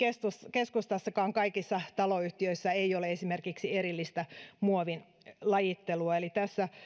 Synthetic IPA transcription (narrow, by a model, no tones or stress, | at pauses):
kest̪uskeskust̪ɑsːɑkɑːŋkɑikisːɑt̪ɑloyht̪iøisːæeioleesimerkiksieɾilːist̪æmuoʋin | lɑjit̪ːeluɑelit̪æsːæ